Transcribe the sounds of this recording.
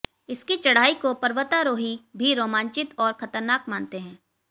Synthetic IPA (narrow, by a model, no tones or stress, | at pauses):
ɪskit͡ʃɐɽ̤aːikopɐɾʋət̪aɾoːɦibʱiɾoːmãːnt͡ʃɪt̪ɔːɾxɐt̪əɾnaːkmaːnt̪eɦɛ̃ː